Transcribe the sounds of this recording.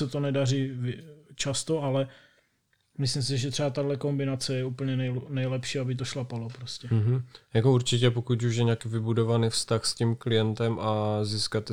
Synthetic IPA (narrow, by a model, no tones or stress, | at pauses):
sɛt̪o̞nɛdarivɪt͡ʃast̪oʔalɛ | mɪslimsɪʒɛt̪r̥ɛat̪adlɛko̞mbɪnat͡sɛjɛuːpl̩ɲɛnɛjnɛjlɛpʃiːabɪt̪̬oʃlapalopɾoscɛm̩ɦ̩jakouɾt͡ʃɪc̬ɛpokut̪uʃjɛɲɛaːkiːvɪbudovanifst̪axscimklɪjɛnt̪ɛmʔaziːskat̪